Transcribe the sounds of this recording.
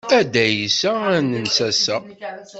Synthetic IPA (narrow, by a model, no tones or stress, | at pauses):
æd̪æjisænənsæsə